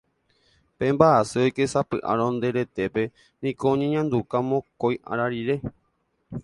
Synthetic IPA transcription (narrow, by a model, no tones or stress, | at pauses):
pẽ̞mbaʔaseojkesapɨ̰ʔa̰ɾõnd̪e̞ɾe̞t̪e̞pe̞ | nĩkoõɲẽɲãnd̪ukamõkojã̰ɾaɾiɾe̞